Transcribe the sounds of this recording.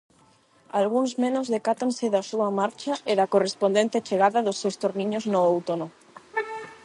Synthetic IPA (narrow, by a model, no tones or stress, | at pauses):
alɣuŋzmẽnozðekat̪anseðasuamaɾt͡ʃaeðakorespond̪ent̪et͡ʃeɣaðaðosːewst̪oɾniɲoznoowt̪ono